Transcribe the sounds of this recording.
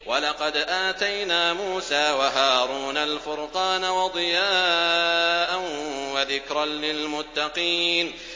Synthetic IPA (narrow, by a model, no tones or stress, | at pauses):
walɑqɑd̪ʔaːt̪ajnaːmuːsaːwaɦaːɾuːnalfʊɾqɑːnawɑd̪ˤɨjaː | ʔanwaðɪkɾɑnlɪlmʊt̪ːɑqiːn